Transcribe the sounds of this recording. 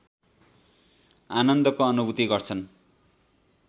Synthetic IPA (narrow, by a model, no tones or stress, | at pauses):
anʌnd̪ʌkoʌnubʱut̪iɡʌrt͡sʰʌn